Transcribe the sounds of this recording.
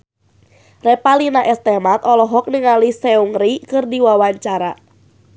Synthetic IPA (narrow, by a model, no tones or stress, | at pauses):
rɛpalinaʔɛst̪ɛmat̪ɔlɔɦɔk̚niŋalisɛuŋɾikɨrdiwawaɲt͡ʃaɾa